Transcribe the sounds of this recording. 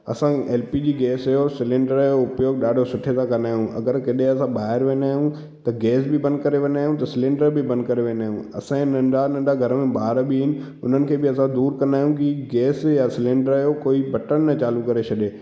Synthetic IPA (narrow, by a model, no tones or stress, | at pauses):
ɐ̰sãeːlpid͡ʑiːɡɛːsɐjosɪlẽɳɖəɾɐjoʊpjoːɡ̚ɗaːɖʱosʊʈʰet̪ʰãkɐnd̪aːɦijũɐ̰ɡəɾkɐɗẽɐsãɓaːɦɪɾʋẽːnaːɦijũ | t̪ɐɡɛːsbɪbɐ̃nd̪kɐɾeʋɐ̃ːnaːɦjũt̪ɐsɪlẽːɳɖəɾbɪbɐ̃nd̪̚kɐɾeʋẽːnaːɦjũɐ̰sãnɐ̃ɳɖanə̃ɳɖaɡʱɐɾəmẽbaːɾbɪɦɪnɪ̆ | ʊn̤ənɪ̆kʰeːbɪɐsãd̪uːɾkɐnd̪aːɦijũkiɡɛːsjasɪlẽɳɖəɾɐjokoːibɐʈənnɐt͡ɕaːlukɐɾet͡ɕʰɐɗeː